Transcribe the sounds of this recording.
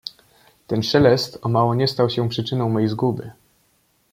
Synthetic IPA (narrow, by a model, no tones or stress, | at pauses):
t̪ɛnʂɛlɛst̪ɔmawɔɲɛst̪awɕɛpʂɘt͡ʂɘnɔ̃w̃mɔjejzɡub̪ɘ